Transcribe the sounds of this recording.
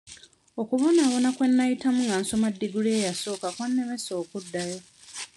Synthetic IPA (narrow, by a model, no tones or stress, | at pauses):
o̞kuβo̞naːβo̞nakwe̞nːajitamuŋɡanso̞madːiɡule̞ːjaso̞ːkakwanːe̞me̞so̞ːkudːajo̞